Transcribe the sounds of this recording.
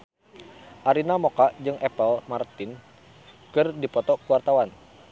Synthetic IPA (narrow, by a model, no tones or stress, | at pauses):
ʔaɾinamokaʔd͡ʒɨŋʔɛpəlmart̪ɪn | kɨrdipɔt̪ɔkuwart̪awan